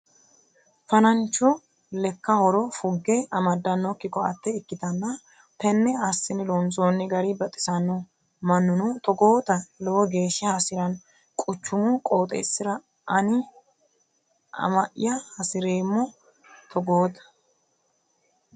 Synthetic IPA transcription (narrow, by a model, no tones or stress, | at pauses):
fɐnɐnt͡ʃːɔ | lɛkːɐhɔɾɔfʊɡːɛɐmɐd̪ːɐnːɔkːɪkːɔɐ̰t̪ːɛɪkːɪt̪ɐnːɐ | t̪ɛnːɛɐsːɪnɪlont͡soːnːɪɡɐɾɪbɐt̪ʼɪ̥sɐnːu | mɐnːʊnut̪ɔɡoːt̪ɐlɔwɔɡe̞ːʃːɐhɐsɪɾɐn | kʼʊt͡ʃːʊmʊkʼo̞ːt̪ʼḛːsːɪɾɐ | ʔɐnɪ | ɐ̰mɐʔɪ̰jɐhɐsɪɾeːmːɔ | t̪ʰɔɡoːd̪ɐ̥